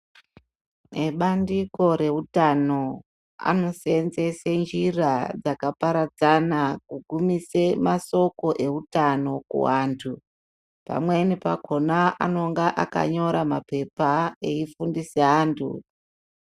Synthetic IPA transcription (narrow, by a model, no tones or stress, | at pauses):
neɓandiko̞ɾe̞utano̞ | a̰no̞senzesend͡ʒirad͡zakapaɾad͡zanakuɡʱumisemaso̞ko̞ʔe̞utano̞kṵwaːntʰu | pa̰mwe̞nipa̰ko̞naano̞ŋɡaʔa̰ka̰ɲo̞ɾamape̞paeifundiseɦaːntʰṵ